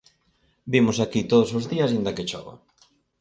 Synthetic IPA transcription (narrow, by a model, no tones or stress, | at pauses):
bimʊsakit̪oðʊsozðiɐsind̪ɐket͡ʃɔβa̰